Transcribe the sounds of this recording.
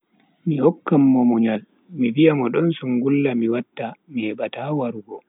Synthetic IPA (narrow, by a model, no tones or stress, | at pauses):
mihɔkːamːɔmuɲal | mivijamɔɗɔnsuŋɡulːamiwatːamihɛɓatawaɾuɡɔ